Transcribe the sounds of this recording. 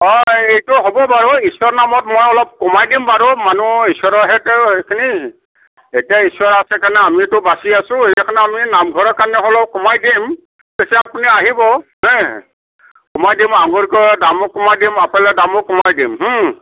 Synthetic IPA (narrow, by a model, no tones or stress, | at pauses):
ɔejtʊɦɔbɔbaɹɔisɔɹnamɔtmɔjɔlɔb̚kɔmajdimbaɹɔmanuisɔɹɔɦɛtɛejkʰini | etiaisɔɹasɛkanɛamitʊbasiasʊ̃eakʰanɛaminamɡʱɔɹɔkanɛɦɔlɔb̚kɔmajdim | pesɛapuniaɦibɔɦɛ | kɔmajdimaŋɡuɹkɔdamɔkɔmajdimapalɛdamɔkɔmajdimɦ̩